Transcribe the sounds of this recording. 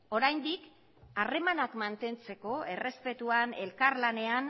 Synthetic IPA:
o̞ɾajnd̪ik | are̞manakmant̪e̞nt͡se̞ko̞e̞re̞spe̞t̪uane̞lkaɾlane̞an

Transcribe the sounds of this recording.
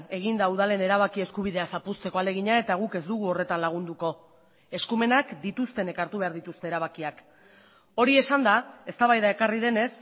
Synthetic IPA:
e̞ɣ̞ind̪auð̞ale̞ne̞ɾaβ̞akie̞skuβ̞iðe̞asapust̪e̞ko̞ale̞ɣiɲae̞t̪aɣ̞uke̞zd̪uɣ̞uo̞re̞t̪anlaɣ̞und̪uko̞ | e̞skume̞nakd̪it̪ust̪e̞ne̞kaɾt̪uβe̞aɾðit̪ust̪e̞ːɾaβ̞akiak | o̞ɾie̞sand̪ae̞st̪aβajðae̞karið̞e̞ne̞s

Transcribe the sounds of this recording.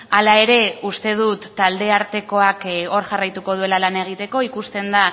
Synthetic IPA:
alae̞ɾe̞ust̪e̞ð̞ut̪ːald̪e̞aɾt̪e̞ko̞ako̞ɾʝarajt̪uko̞ð̞ue̞lalane̞ɣ̞it̪e̞ko̞ikust̪e̞nd̪a

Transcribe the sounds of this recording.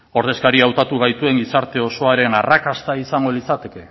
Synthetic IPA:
o̞ɾðe̞skaɾiawt̪at̪uɣ̞ajt̪ue̞ŋɡisaɾt̪e̞o̞so̞aɾe̞narakast̪aisaŋɡo̞lit͡sat̪e̞ke̞

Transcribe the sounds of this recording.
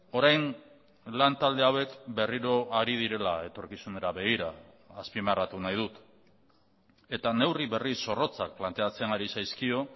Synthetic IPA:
o̞ɾajn | lant̪ald̪e̞awe̞kbe̞riɾo̞ʔaɾiðiɾe̞lae̞t̪o̞ɾkisune̞ɾaβe̞ɣ̞iɾaː | spimarat̪unajð̞ut̪ | e̞t̪ane̞wriβe̞risːo̞ro̞t͡sak̚plant̪e̞at͡se̞naɾisajskio̞

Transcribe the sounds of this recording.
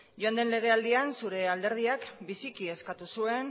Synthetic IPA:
ʝoand̪enle̞ɣ̞e̞ald̪iansuɾe̞ald̪e̞ɾð̞iakbisikie̞skat̪usue̞n

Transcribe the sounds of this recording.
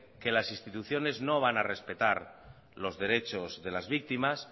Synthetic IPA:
ke̞lasist̪it̪uθjo̞ne̞zno̞β̞anare̞spe̞t̪aɾ | lo̞zðe̞ɾe̞t͡ʃo̞zðe̞lazβik̚t̪imas

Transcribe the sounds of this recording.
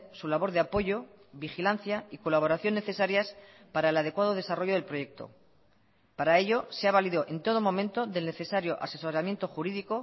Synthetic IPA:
sulaβo̞ɾðeapo̞ʝo̞ | βixilan̟θjaiko̞laβo̞ɾaθjo̞nːe̞θe̞saɾjas | paɾaelað̞e̞kwaðo̞ðe̞saro̞ʝo̞ð̞e̞lpɾo̞je̞k̚t̪o̰ | paɾae̞ʎo̞seaβaliðoʔe̞nt̪o̞ðo̞mo̞mẽ̞nt̪o̞ðe̞lne̞θe̞saɾjo̞ʔa̰se̞so̞ɾamjent̪o̞xuɾiðiko̞

